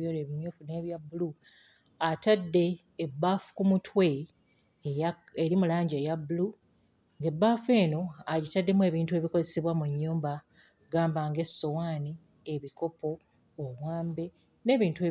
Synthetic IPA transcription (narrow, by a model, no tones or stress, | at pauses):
joːleβiɲouneːβjabulu | atadːe̞ː | bːaːfu̥kumutʰwe̞ | aeɾimulaːɲɟejabulu | ŋɡe̞bːaːfe̞ːno̞aɟitadːe̞mwe̞ːβiːntue̞ːβikozeseβwamuɲːuːmba | ɡaːmbaŋɡe̞so̞waːni | eβiko̞pʰo̞ː | wwaːmbe̞ | ne̞ːβiːntue